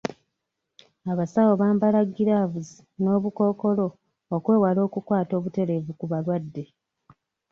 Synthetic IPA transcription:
aβasawo̞βaːmbalaɡiɾaːvuzi | no̞ːβuko̞ːko̞lo̞ː | kwe̞ːwalo̞ːkukwaːto̞ːβute̞ɾe̞vukuβalwadːe̞

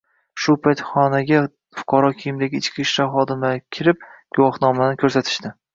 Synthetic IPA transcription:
ʃʊpʰajt̪χɒnaɡʲa | fʊ̥qʰɑɾɒkʲʰijɪmd̪aɡʲɪːt͡ʃkʲiʃlaɾχɒd̪ɪmakʲʰɪɾɪp̚ɡ̥ʊwɒχnɒmanɪkʰɵɾsat̪ʰɪ̥ʃt̪ɪ

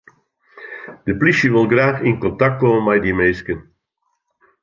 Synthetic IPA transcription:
d̥əpliʃəʋɪlˠɡraːxɪnkɔntak̚t̚komənmɛjdimejskən

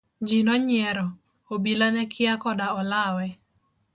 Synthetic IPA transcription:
d͡ʒinɔɲɪɛɾɔ | obilanɛkʰɪakɔdaɔlawɛ

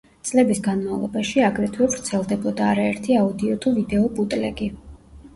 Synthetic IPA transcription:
t̪sʼlɛbisɡanmavlˠɔ̰baʃiaɡɾɛt̪ʰwɛvɾt̪sʰɛlˠd̪ɛbɔd̪aːɾaɛɾt̪ʰiaud̪iɔt̪ʰuvid̪ɛɔpʼut̪ʼlɛɡi

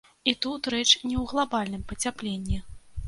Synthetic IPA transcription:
it̪ut̪ɾɛt͡ʂnʲɛwɣlˠabalʲnɨmpɐt͡sʲaplʲenʲːi

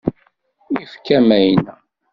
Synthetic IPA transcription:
ifkːæmæjnæ

